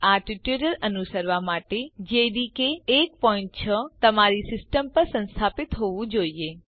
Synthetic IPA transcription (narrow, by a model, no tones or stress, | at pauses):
aʈiʈuɾəɾənusəɾʋamaʈed͡ʒeɾikeːk̚pɔɪ̃ɳʈ̚t͡ʃʰət̪əmaɾisɪsʈəmpəɾsə̃nst̪ʰapɪt̪ɦoʋũd͡ʒoie